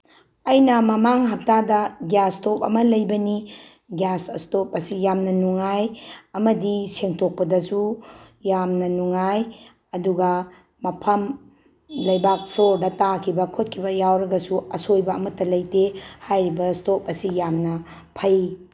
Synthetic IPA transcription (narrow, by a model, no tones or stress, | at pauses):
ɐjnɐmɐmaŋɦɐk̚tadɐɡjastopɐ̰mɐlɐjbɐni | ɡasɐstop̚ɐsijamnɐnuŋajɐmɐdiseŋtʰok̚pɐdɐsu | jamnɐnuŋaj | ɐduɡɐ | mɐpʰɐm | lɐjbak̚pʰloɾdɐtakʰibɐkʰot̚kʰibɐjawɾɐɡɐsuɐsojbɐɐmɐtːɐlɐjtehajɾibɐstop̚ɐsijamnɐ | pʰɐj